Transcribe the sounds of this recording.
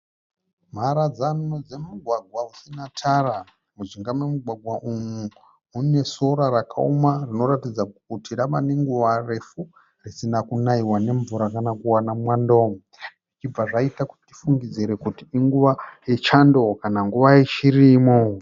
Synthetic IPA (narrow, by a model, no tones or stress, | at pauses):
m̤aɾad͡zanod͡ze̞muɡʱwaɡʱwausinatʰara | muʐiŋɡamwemuɡʱwaɡʱwaʔumuː | ne̞so̞ɾaɾakʰa̰umarino̞ɾatid͡zakutiraʋane̞ŋɡuʋare̞fu | risinakunaiwane̞ɱvuɾakanakuwanamwando̞ːmu | it͡ʃib͡vaʐaitaku̥ti̥ti̥fuŋɡid͡ziɾe̞kutiːŋɡuʋajet͡ʃando̞kanaŋɡuʋajit͡ʃirimo